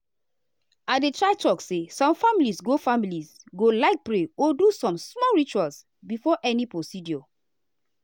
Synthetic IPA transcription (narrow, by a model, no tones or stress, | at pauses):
adetɹaɪtɔksesɔ̃mfamilisɡofamilisɡolaɪk̚pɹeɔdusɔ̃msmɔɹit͡ʃuals | bifɔʔɛnipɹosidjɔ